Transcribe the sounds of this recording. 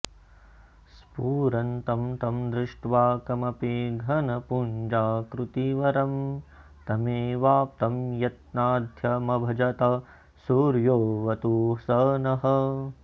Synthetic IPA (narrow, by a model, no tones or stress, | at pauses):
spuːɾɐnt̪ɐmt̪ɐmd̪ɾɪʂʈʋaːkɐmɐpiɡʱɐnɐpund͡ʒaːkɾut̪iʋɐɾɐm | t̪ɐmeːʋaːp̚t̪ɐmjɐt̪̚naːd̪ʱjɐmɐbʱɐd͡ʒɐt̪ɐ | suːɾjoːʋɐt̪uːsɐnɐɦɐ